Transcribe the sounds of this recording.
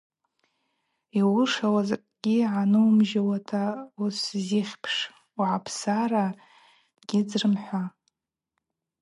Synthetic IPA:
iwʊʂawazakʼɡ̥ʲiʕanɨumʒawatʰausziχʲpʰʂ | uʕapʰsara | ɡ̥ʲɪd͡zrɨmħʷa

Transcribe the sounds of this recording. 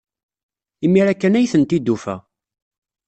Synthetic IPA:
imːiɾækːænæjθənt̪id̪ːufæ̰

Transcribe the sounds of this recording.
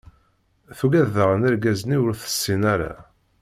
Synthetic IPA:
θuɡæðəʁənæɾɡæzniwʊɾθə̥sːinæɾa̰

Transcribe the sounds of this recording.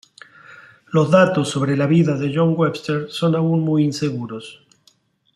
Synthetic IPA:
lo̞zðat̪o̞sːo̞βɾelaβiðaðeʒo̞ŋɡwepst̪eɾso̞naunmujinse̞ɣuɾo̞s

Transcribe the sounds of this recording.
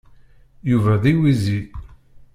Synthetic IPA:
juvæðiwizi

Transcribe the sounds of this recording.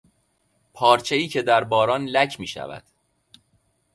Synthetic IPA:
pʰɒːɾt͡ʃʰe̞iːcʰe̞d̪æɾbɒːɾɒːnlæcʰmiːʃæ̰væ̰d̪̥

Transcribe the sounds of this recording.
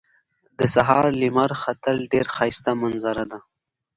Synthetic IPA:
d̪əsaɦɑːɾlimaɾxat̪alɖeɾxɑjst̪amanzaɾad̪a

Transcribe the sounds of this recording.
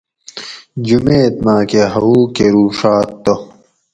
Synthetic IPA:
d͡ʑumeːt̪maːkeɦɐuːkeɾuːʂaːt̪ːo

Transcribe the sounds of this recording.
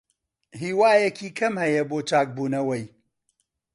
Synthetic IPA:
ɦiːwaːjɐkʰiːkʰɐmhɐjɐboːt͡ʃaːk̚buːnɐwɐj

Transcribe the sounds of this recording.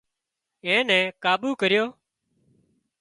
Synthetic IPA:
ẽːnɛ̃ːkaːɓuːkəɾɪjoː

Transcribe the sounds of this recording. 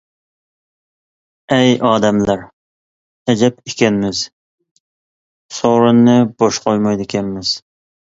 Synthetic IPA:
ɛjɑːd̪ɛmlæɾ | ɛd͡ʒɛpʰekʲɛnmɪz | soɾɨnːɨb̥oʃqojmɑjd̪ɪkʲʰɛnmɪz̥

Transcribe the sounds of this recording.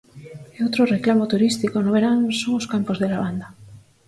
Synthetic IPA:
eowt̪ɾoreklamot̪uɾist̪ikonoβeɾaŋsoŋoskampozðelaβand̪a

